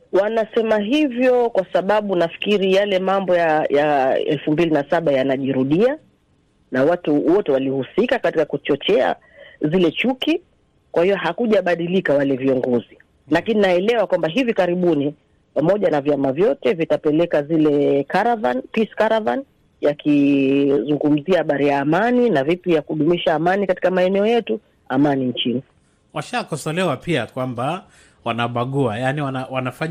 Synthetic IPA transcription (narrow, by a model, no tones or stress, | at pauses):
wanasɛmaɦivjɔkwasaɓaɓunafi̥kiɾijalɛmambɔjajaɛ̰lfumbilinasaɓajanaʄiɾuɗia | nawatuwɔtɛwalihusikakatikakut͡ʃɔt͡ʃɛa̰ | zilɛt͡ʃuki | kwahiɔɦakuʄaɓaɗilikawalɛviɔŋɡɔzi | lakininaɛlɛwakwambaɦivikaɾiɓuni | pamɔʄanavjamavjɔtɛvitapɛlɛkazilɛkaɾavanpiskaɾavan | jakʰizuŋɡum̩ziahaɓaɾijaːmaninavipijakuɗumiʃaːmanikati̥kamaɛnɛɔjɛtu | amaniɲt͡ʃini | waʃakɔsɔlɛwapiakwamba | wanaɓaɠuajaniwanawanafa